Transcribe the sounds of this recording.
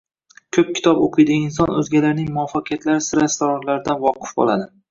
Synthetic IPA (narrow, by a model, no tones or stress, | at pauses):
kʲʰɵp̚kʲʰɪ̥t̪ʰɒboqʰɨjd̪ɪɡʲaɪns̬ɒnɵzɡʲalaɾnɪŋmʊɒfɒkʲjat̪laɾɪsɪɾast̪oɾɒnlaɾɪd̪anvɒqʰɨ̥fbɒ̰lˠad̪ɪ